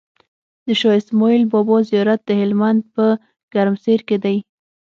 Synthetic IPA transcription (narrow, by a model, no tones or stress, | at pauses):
d̪əʃɑɪsmɔilbɔbɔzijɑɾat̪̚d̪əhɪlmand̪̚pə | ɡ̥aɾmseɾked̪aj